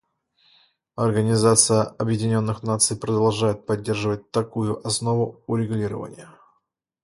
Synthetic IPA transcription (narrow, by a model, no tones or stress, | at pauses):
ɐrɡənʲɪzat̪sɨjəɐbjɪdʲɪnʲo̞nːɨxnat̪sɨjpɾəd̪ɐlˠʐajɪt̪̚pɐdʲːe̞rʐɨvət̚ʲt̪ɐkujʊʔɐsno̞vʊʊɾʲɪɡʊlʲiɾə̰və̰nʲɪ̰jə